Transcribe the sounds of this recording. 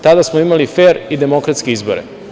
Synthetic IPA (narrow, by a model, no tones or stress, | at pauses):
t̪ad̪asmoimalifeɾid̪emo̞kɾat̪skeizboɾḛ